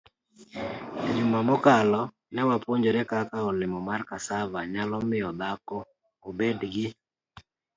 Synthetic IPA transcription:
ɲumamɔkalɔ | nɛwapwoɲd͡ʒeɾekakaɔlɪmɔmarkasavaɲalɔmɪjɔd̪akɔ | obedɡɪ

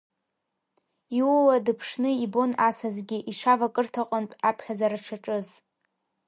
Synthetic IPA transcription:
iwwadɨpʰʂnɨibo̞nasazɡʲiʔiʂavakʼɨrtʰaqʼʊntʷʼapʰχʲazaɾaʈ͡ʂʰaʈ͡ʂʼɨz

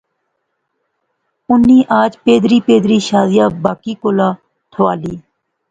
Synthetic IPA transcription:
ʊnːiːʔaːd͡ʒpeːd̪ɾiːpeːd̪ɾiːʃaːzɪjaːbaːkiːkoːlaː | t̪ʰʋaːliː

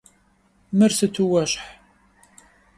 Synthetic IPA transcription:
mɨrsɨtʰuwɐɕħ

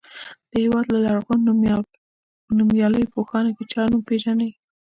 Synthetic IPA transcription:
d̪̥əhewɑd̪lalaɽɣan | numjɑləjpoxɑnaket͡ʃɑnumpeʒanaj

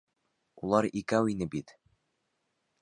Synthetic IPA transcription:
ulˠɑɾikæwinɘbit̪

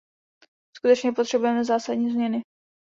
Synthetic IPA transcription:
skut̪ɛt͡ʃɲɛpo̞t̪r̥ɛbujɛmɛzaːsadɲiːzmɲɛnɪ

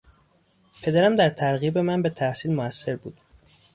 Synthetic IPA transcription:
pʰe̞d̪æɾæmd̪æɾt̪ʰæɾɣiːbe̞mænbe̞t̪ʰæhsiːlmoæsːe̞ɾbṵːd̪̥

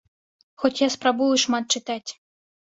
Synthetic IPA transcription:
xɔtʲjaspɾabujuʂmat̪̚t͡ʃɨt̪atʲ

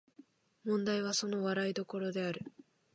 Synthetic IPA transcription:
mõ̞nd̪aiβ̞aso̞no̞βaɾaid̪o̞ko̞ɾo̞d̪e̞aɾɯ̟

